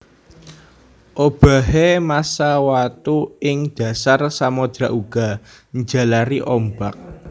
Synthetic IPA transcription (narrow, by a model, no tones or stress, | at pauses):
ʔob̥a̤ɦemasawat̪uɪŋd̥ä̤sarsamɔd̪̥ɾaʔuɡ̥a̤ | ɲd͡ʒa̤laɾiʔɔmbak̚